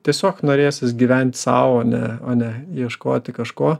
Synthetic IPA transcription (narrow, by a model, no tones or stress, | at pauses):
t̪ʲiɛsʲoːknoːɾʲeːsʲɪsɡʲiːʋʲɛnʲt̪ʲsɑːʋoːnʲɛ̰oːnʲɛjiɛʃkoːt̪ʲɪkɐʃkoː